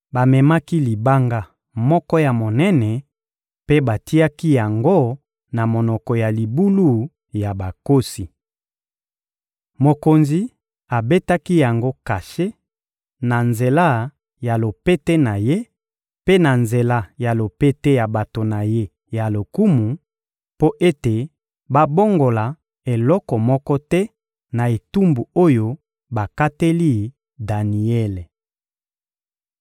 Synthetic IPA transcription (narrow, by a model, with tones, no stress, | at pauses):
ba˨mɛ˨ma˦ki˦li˨ba˦ŋɡa˦ | mɔ˦kɔ˦ja˨mo˨nɛ˦nɛ˨ | pe˦ba˨ti˦a˦ki˦ja˨ŋɡo˦ | na˨mo˨nɔ˨kɔ˨ja˨li˨bu˦lu˦˨ | ja˨ba˨ko˦si˨ | mo˨ko˨nzi˨ | a˨be˦ta˦ki˦ja˨ŋɡo˦ka˨ʃe˦ | na˨nze˨la˦˨ | ja˨lo˨pe˦tɛ˦na˨je˦ | pe˦na˨nze˨la˦ja˨lo˨pe˦te˦ja˨ba˨to˨na˨je˦ | ja˨lo˨ku˦mu˨ | po˦ʔe˦te˨ | ba˦bo˦ŋɡo˨la˨ | e˨lɔ˦kɔ˨mɔ˦kɔ˦tɛ˦ | na˨e˨tu˦mbu˨o˦jo˦ | ba˨ka˦te˦li˦ | da˨ni˨ɛ˦le˨